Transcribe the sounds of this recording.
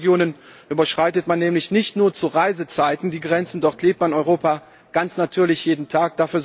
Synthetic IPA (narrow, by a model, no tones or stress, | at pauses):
ɡjoːnən | ʔyːbɐʃʁ̥aɪtətmanːɛːmlɪçnɪçtnuːɐt͡suʁaɪzət͡saɪtn̩diːɡʁɛnt͡sn̩dɔʁtʰleːp̚tmanɔʏʁoːpa | ɡ̥ant͡snatʰyːɐlɪçjeːdn̩tʰaːk̚d̥afyːɐz